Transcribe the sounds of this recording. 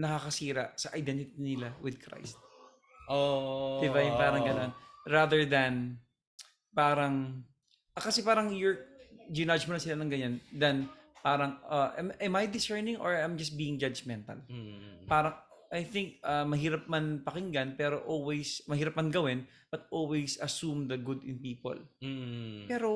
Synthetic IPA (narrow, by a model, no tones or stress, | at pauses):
nɐkɐkɐsiːɾɐʔsɐʔɐjd̪ɛnt̪ɪt̪inɪlawɪd̪̚kɾa̰jst̪̚ | od̪ɪbajʊpaːɾɐɡɐnonɹad̪ɛɹd̪ɐn | paːɾɐŋ | ʔɐkɐsɛpaːɾɐŋjʊɹd͡ʒɪnad͡ʒmonɐsɪlanɐŋɡɐɲand̪ɐnpaːɾɐŋɐʔɛ̰mɛmajd̪ɪsɛɹnɪ̃ŋʔo̰ɹajmd͡ʒɐst̪̚biːɪŋd͡ʒɐd͡ʒmɛnt̪ɐ̰lpaːɾɐŋ | ʔajθɪŋk̚ʔɐmɐɦiːɾɐp̚mɐnpɐkɪŋɡɐnpɛːɾoʔolwɛjsmɐhiːɾɐp̚mɐnɡɐwɛn | bɐt̪̚ʔolwejsɐsumd̪ɐɡʊd̪ɪ̰npiːpo̰l | pɛːɾo